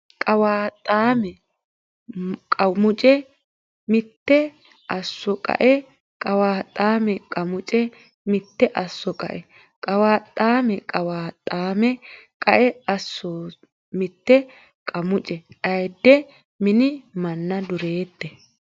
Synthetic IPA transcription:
kʼɐwaːt̪ʼːaːmɛ | kʼɐmʊt͡ʃʼɛ | mɪt̪ːɛ | ʔɐsːɔkʼɐ̰ʔɛ | kʼɐwaːt̪ʼːaːmɛkʼɐmʊt͡ʃʼɛ | mɪt̪ːɛʔɐsːɔkʼɐ̰ʔɛ | kʼɐwaːt̪ʼːaːmɛkʼɐwaːt̪ʼːaːmɛkʼɐʔɛɐsːoː | mɪt̪ːɛ | kʼɐmʊt͡ʃʼɛʔɐjd̪ːɛ | mɪnɪmɐnːɐd̪ʊɾeːt̪ːɛ

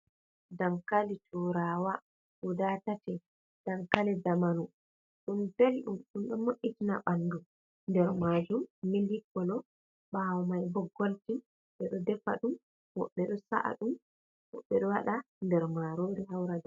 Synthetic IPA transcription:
damkalitʰuɾawa | udaːtatɛ | d̥amkalɛdamanu | ɗumbɛlɗumɗumɗɔmoʔːitinaɓandu | ndɛɾmad͡ʒumːilikːɔlɔ | ɓawɔmajbɔɡoltim | ɓɛɗɔdɛfa̰ɗum | hɔ̰ɓːɛɗɔsa̰ʔa̰ɗum | hɔ̰ɓːɛɗɔwaɗa | ndɛɾmaɾoːɾihawɾada

